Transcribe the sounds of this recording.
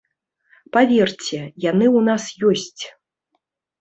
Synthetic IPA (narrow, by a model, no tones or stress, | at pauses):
pavʲɛrt͡sʲɛjanɨwnasjɔsʲt͡sʲ